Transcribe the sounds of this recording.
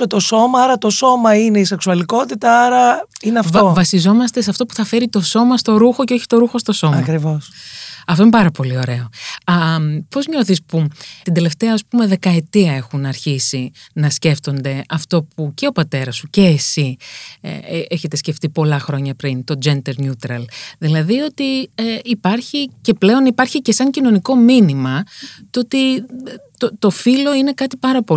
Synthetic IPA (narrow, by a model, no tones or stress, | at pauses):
et̪o̞so̞mɐɐɾɐt̪o̞so̞mɐineiseksuɐliko̞t̪it̪ɐɐɾɐineɐfvovɐsizo̞mɐst̪e̞seɐft̪o̞pu̥θɐfe̞ɾit̪o̞so̞mɐst̪o̞ɾuxo̞ceo̞çi̥t̪o̞ɾuxo̞st̪o̞so̞mɐmɐkɾivosɐft̪oinepɐɾɐpo̞lio̞ɾe̞o̞ɐpo̞zɲo̞θisput̪ind̪e̞le̞ft̪e̞ɐːspume̞ðe̞kɐe̞t̪iɐe̞xunɐɾçisinɐsce̞ft̪o̞nd̪e̞ɐft̪o̞puce̞o̞pɐt̪e̞ɾɐsuce̞ːsḭ | eçe̞t̪e̞sce̞ft̪ipo̞lɐxɾo̞ɲɐpɾint̪o̞d͡ʒend̪eɾɲut̪ɾɐlðilɐðio̞t̪ieːpɐɾçice̞ple̞o̞nipɐɾçice̞sɐɲcino̞niko̞minimɐt̪o̞t̪i | t̪ot̪o̞filo̞ine̞kɐt̪ipɐɾɐpo